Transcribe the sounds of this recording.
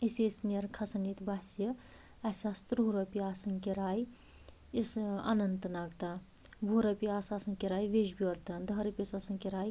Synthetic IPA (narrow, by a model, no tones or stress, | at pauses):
isesnɐɾkʰɐsɐnit̪basjɐ | ɐsaːst̪ɾuɾɐpiaːsɐŋkiɾaːj | isa̰nɐnt̪naːɡt̪a | bʱuɾɐpiaːsaːsɐŋkeɾaːjʋed͡ʒbiɐɾt̪ɐnd̪ɐɦɾɐpʲjɐsaːsɐŋkiɾaːj